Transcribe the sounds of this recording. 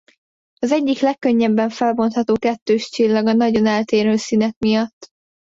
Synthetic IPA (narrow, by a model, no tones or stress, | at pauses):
ɒzɛɟːiklɛkːøɲːɛbːɛɱfɛlbo̞nt̪hɒt̪oːkɛt̪ːøːʃt͡ʃilːɒɡɒnɒɟo̞nɛlt̪eːɾøːsinɛk̚mijɒt̪ː